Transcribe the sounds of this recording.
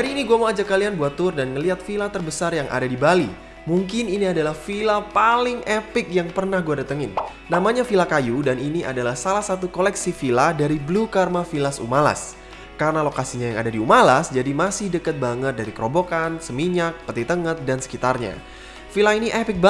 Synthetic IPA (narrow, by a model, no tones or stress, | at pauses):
daɾiːniɡuamoad͡ʒakːalianbuat̪ːʊrdanŋəliɦat̪filat̪ərbəsarjaŋʔa̰dadibali | muŋkɪniniadalahfilapalɪŋɛpɪk̚jaŋpərnahɡuadat̪əŋɪn | namaɲafilakajudaniniʔa̰dalahsalahsat̪ukolɛksifiladaɾiblukarmafilasṵmala̰s | kaɾənalokasiɲajaŋa̰dadiumalasd͡ʒadimasɪhdəkət̪̚baŋət̪̚daɾikəɾobokansəmiɲak̚pət̪it̪əŋət̪̚dansə̥kit̪arɲa̰ | filainiʔɛpɪk̚ba